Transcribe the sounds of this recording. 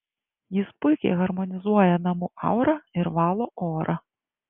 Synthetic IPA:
jispɪkʲɛ̰ɣɐrmɔnʲizujɛnɐmuʔɑ̰wɾɐirʋɑlˠɔʔɔɾʔɐ

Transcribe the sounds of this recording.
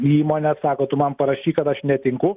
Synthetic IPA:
iːmoːnʲɛsɑːkoːt̪ʊmɐnpɐɾɐʃʲiːkɐt̪ɐʃnʲɛt̪ʲɪŋkʊ

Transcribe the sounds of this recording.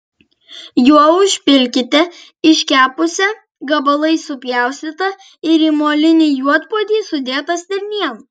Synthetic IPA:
juɔʊʃʲpʲɪlʲkʲɪt̪ʲɛ | ɪʃʲkʲæːpʊsʲɛ | ɡɐbɐlˠɐɪsʊpʲjæˑʊsʲt̪ʲɪt̪ɐ | ɪɾiːmoːlʲɪnʲɪjuɔt̪puɔd̪ʲiːsʊd̪ʲeːt̪ɐsd̪ʲɪɾʲnʲiɛn

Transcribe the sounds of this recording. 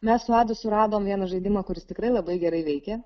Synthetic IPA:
mʲɛssʊɑːd̪ʊsʊɾɑːd̪oːmʋʲiɛnɐʒɐɪd̪ʲɪmɐːkʊɾʲɪst̪ʲɪkɾɐɪlˠɐbɐɪɡʲɛɾɐɪʋʲɛɪkʲɛ

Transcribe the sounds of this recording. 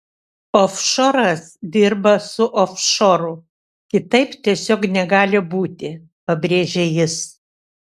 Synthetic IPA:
ofʃoɾɐsd̪ʲɪɾbɐsʊʔofʃoːɾʊ | kʲɪt̪ɐɪpt̪ʲiɛsʲoːknʲɛɡɑːlʲɪbuːt̪ʲɪ | pɐbʲɾʲeːʒʲejɪs

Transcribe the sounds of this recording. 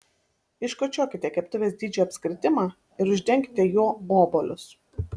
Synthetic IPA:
ɪʃkot͡ʃʲoːkʲɪt̪ʲɛkʲɛpt̪ʊʋʲeːsd̪ʲiːd͡ʒʲoːɐpʲsʲkɾʲɪt̪ʲɪmɑː | ɪɾʊʒʲd̪ʲɛŋʲkʲɪ̥t̪ʲɛjoːboːbolʲʊs

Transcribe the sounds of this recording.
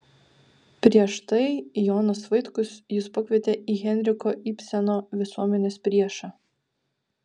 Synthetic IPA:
pʲɾʲiɛʃt̪ɐɪjoːnɐsʋɐɪt̪kʊsjɪspɐkʲʋʲiɛt̪ʲeːʔiːɣʲɛnʲɾʲɪkoʔipʲsʲɛnoːʋʲɪsuɔmʲɛnʲeːspʲɾʲiɛʃɑː

